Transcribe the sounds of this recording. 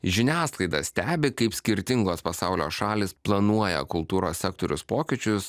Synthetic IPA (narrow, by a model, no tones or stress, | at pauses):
ʒʲɪnʲæːslˠɐɪd̪ɐsʲt̪ʲæːbʲɪkɐɪpsʲkʲɪɾʲt̪ʲɪŋɡoːspɐsɑʊlʲoːʃɑːlʲɪsplˠɐnuɔjɛ̰kʊlˠt̪uːɾoːsʲsʲæːk̚t̪ɔɾʲʊspoːkʲɪt͡ʃʲʊs